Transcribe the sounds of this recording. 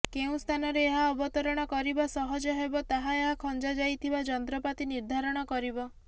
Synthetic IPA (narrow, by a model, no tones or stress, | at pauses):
keũst̪ʰanɔɾeːɦaɔbɔt̪ɔɾɔɽ̃ɔkɔɾibasɔɦɔd͡ʒɔɦebɔt̪aɦaeɦakʰɔnd͡ʒad͡ʒajt̪ʰibad͡ʒɔnt̪ɾɔpat̪iniɾd̪ʱaɾɔɽ̃ɔkɔɾibɔ